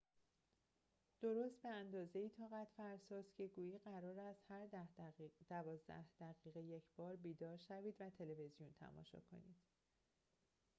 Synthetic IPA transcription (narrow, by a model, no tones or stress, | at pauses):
d̪̥o̞ɾoːst̪̚be̞ænd̪ɒːze̞iːt̪ʰɒːɣæt̪ʰfæɾsɒːzcʰe̞ɡuːjiːɢæɾɒːɾæst̪hæɾ | d̪̥ævɒːzd̪æ̰hd̪̥æɣiːɣeje̞cʰb̥ɒːɾbiːd̪ɒːɾʃæviːd̪væt̪ʰe̞leve̞zijunt̪ʰæ̰mɒ̰ːʃɒ̰kʰo̞̰niːd̪̥